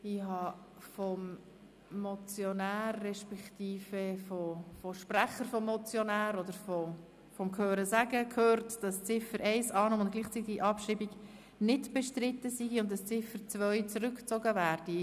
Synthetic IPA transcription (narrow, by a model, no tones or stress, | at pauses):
ɪhɑ | fɔmː | ɔt͡sjonæːrːɛʃpɛktiːfəfɔfɔʃpræχəɾfɔmːɔt͡sjonæːɾɔd̪əɾfɔ | fɔmkʰhøːɾəsæɡəkʰhøːrtd̥ɑst͡sɪfəɾʔɛɪsɑːnoːmʊntɡ̥liːχt͡sitɪɡʔɑpʃiːbiɡ | nɪdb̥ɛʃtɾɪt̪ːəsiɡiʊntdɑst͡sɪfəɾt͡svœʏt͡sɾʏkt͡soɡəvæːɾd̥i